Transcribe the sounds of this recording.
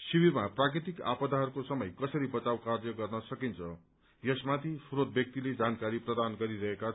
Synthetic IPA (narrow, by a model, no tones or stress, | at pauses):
siwiɾmaprakɾit̪ika̰pʌd̪aɦʌrkosʌmʌjkʌsʌɾibʌt͡sawkarjʌɡʌrnʌsʌkint͡sʰʌ | jʌsmat̪ʰisuɾot̪̚bjʌk̚t̪iled͡zankaɾiprʌd̪anɡʌɾiɾʌɦeka